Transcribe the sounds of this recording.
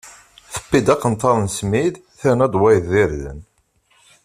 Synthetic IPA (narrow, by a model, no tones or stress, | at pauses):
θə̥bːid̪ɑqːənt̪ːɑðˤnsmið | θænæd̪ˤwæjðiɾðə̰n